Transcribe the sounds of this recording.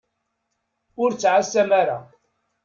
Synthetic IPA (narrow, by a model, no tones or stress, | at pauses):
ʊɾt͡sːʕasæmaɾa̰